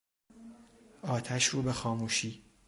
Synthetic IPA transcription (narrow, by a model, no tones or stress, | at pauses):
ʔɒːt̪ʰæʃɾuːbexɒːmuːʃiː